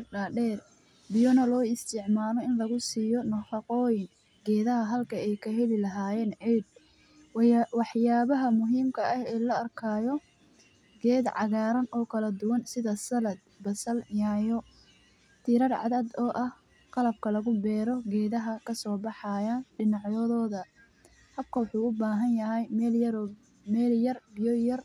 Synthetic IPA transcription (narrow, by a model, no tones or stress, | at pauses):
ɖaɖɛːr | bɪjɔnɐlɔːɪst̪ʰɪʕmaːlɔɪnlɐɣʊsiːjɔnɐħɑqɔːjɪŋ | ɡɛːðɐɦɐɦɐlkʰɐɛjkʰɐɦɛlɪlɐɦaːjɛːnʕiːd̪̚ | wɑħjaːβɐɦɐmʊɦiːmkʰɐʔɐhɛːlɐɐrkʰaːjɔ | ɡɛːd̪ʕɑ̰ɣaːɾɐnʔɔːkʰɐlɐd̪ʊwɐnsɪðɐsɐlɐd̪̚bɐsɐljaːjɔ | t̪ʰɪɾɐrʕɑ̰ðɐːd̪ɔːʔɐh | qɑlɐb̚kʰɐlɐɣʊbɛːɾɔɡɛːðɐɦɐkʰɐsɔːbɑħɑjaːnɖɪnɑʕjɔðɔːðɐ | hɐb̚kʰɐwɑħuːʊbaːɦɐnjɐɦɛjlɾ | mɛːljɐrbɪjɔjɐr